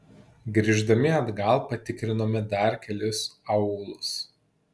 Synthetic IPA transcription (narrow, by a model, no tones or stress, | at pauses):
ɡɾʲiːʒd̪ɐmʲɪɐd̪ɡɐlˠpɐt̪ʲɪkɾʲɪnoːmʲɪd̪ɐɾkʲɛlʲɪsɐʊɡlˠʊs